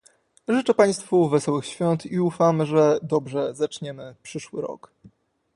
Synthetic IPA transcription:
ʐɘt͡ʂɛpaj̃st̪fuvɛsɔwɘxɕfʲjɔnt̪iufamɘʐɛd̪ɔbʐɛzat͡ʂɲɛmɘpʂɘʂwɘ̰ɾɔ̰k

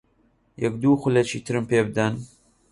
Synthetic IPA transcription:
jɛkd̪uːxʷʊlɐt͡ʃʰḭːt̪ʰɨɾɨmpʰeːbɨd̪ɐn

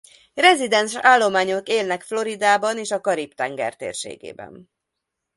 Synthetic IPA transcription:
rɛzid̪ɛnʃaːlːo̞maːɲo̞keːlnɛkflo̞ɾid̪aːbɒneːʃɒkɒɾipt̪ɛŋɡɛ̰rt̪ḛːrʃḛːɡḛːbɛ̰n

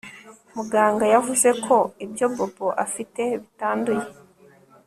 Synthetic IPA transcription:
muɡaːŋɡajavuze̞kʰo̞ibjo̞boboʔafite̞βitaːnduje̞

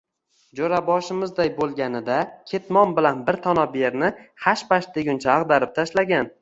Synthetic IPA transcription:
d͡ʒoɾabɒʃɪmɪzd̪ajbolˠɡʲanɪd̪akʲʰe̞t̪mɒmbɪlanbɪɾt̪ʰɒnɒbjeɾnɪhaʃpaʃt̪eɡʲʊnt͡ʃʰaːʁd̪aɾɪp̚t̪ʰaʃlaɡʲan

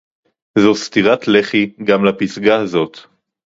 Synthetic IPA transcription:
zost̪iʁat̪le̞χiɡamlapisɡahazot̪

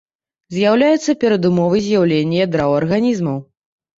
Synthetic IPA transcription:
zʲjawlʲajɛt̪sːɐpʲɛɾɐd̪umɔvɨzʲjawlʲenʲːijɛd̪ɾawɐrɣanʲizmɐw

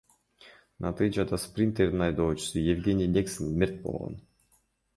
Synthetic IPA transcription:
nat̪ɨd͡ʒad̪asprʲint̪eɾʲnɑjd̪oːt͡ʃʊ̥sɨjevɡʲenʲɪjnʲeksənmʲert̪̚bo̰lˠʁo̰n

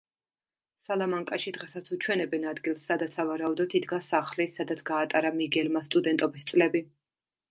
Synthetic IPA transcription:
salˠamaŋkʼaʃid̪ʁɛsat̪sʰut͡ʃʰwɛnɛbɛnad̪ɡilˠsːad̪at̪sʰavaɾaud̪ɔt̪ʰid̪ɡasaχlisad̪at̪sʰɡaːt̪ʼaɾamiɡɛlmast̪ʼud̪ɛnt̪ʼɔbist̪sʼlɛbi

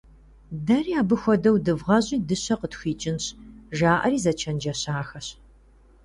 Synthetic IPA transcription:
dɐriːaːbɨxʷɔdɐwdɨvʁɐʑʼiːdɨɕɐqətxʷiːt͡ʃʼɪnɕʒaːʔɐ̰riːzɐt͡ʃʰɐnd͡ʒɐɕaːxɐɕ

